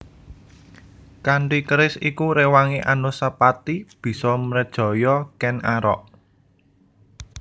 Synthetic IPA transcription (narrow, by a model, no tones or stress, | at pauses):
kaɳʈikəɾɪsikuɾewaŋeʔanosəpat̪ib̥i̤sɔmɾədd̥ʒ̥ɔ̤jɔkɛnaɾɔ̰ʔ